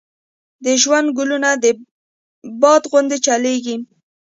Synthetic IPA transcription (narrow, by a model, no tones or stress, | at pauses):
d̪əʒwand̪̚ɡʊlunad̪ə | bɑd̪ɣʊnd̪et͡ʃaleɡi